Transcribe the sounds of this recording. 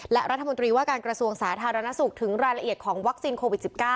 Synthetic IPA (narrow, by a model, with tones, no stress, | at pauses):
lɛ˦˥ɾʔa˦˥t̪ʰːamo˧nt̪ɾiː˧waː˥˩kaː˧nkɾa˧su˧əŋsaː˩˦t̪ʰaː˧ɾa˧na˦˥su˨˩k̚t̪ʰɯ˩˦ŋɾaː˧jɾa˧ʔi˨˩ət̪̚kʰɔː˩˦ŋwa˦˥k̚siː˧nkʰoː˧wi˨˩si˨˩p̚kaː˥˩